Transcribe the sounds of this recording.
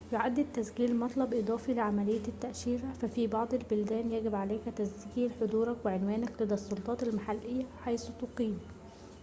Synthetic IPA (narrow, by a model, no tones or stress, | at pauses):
joʕad̪ːɪd̪̚t̪ːæsɡiːlmɑt̪ˤlɑbʔɨd̪ˤɑːfilɪʕamælejːæt̪ːæʔʃiːɾæfæfibɑʕd̪ˤelbʊld̪æːnjæɡɪbʕaleːkæt̪æsɡiːlħod̪uːɾˤɑkweʕenwæːnæklɪd̪æsˤːolt̪ˤɑːt̪ɪlmaħalʔejːæħajsut̪oqiːm